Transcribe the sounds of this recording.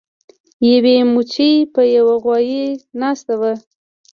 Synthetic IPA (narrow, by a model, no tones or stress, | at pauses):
jawemut͡ʃijpəjawaɣwɑjenɑst̪awə